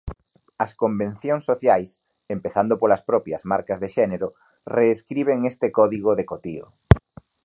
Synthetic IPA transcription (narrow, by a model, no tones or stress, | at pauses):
ɐskombẽn̟θjoŋsːoθjajs | empeθand̪opolɐspɾɔpjɐzmaɾkɐzðeʃɛneɾʊ | reːskɾiβ̞eŋest̪ekɔðiɣoðekot̪io̰